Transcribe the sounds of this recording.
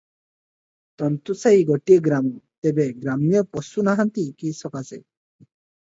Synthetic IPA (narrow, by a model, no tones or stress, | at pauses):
t̪ɔnt̪usajɡɔʈiɔɡɾamɔt̪ebeɡɾamijɔpɔsunaɦant̪ikisɔkasḛ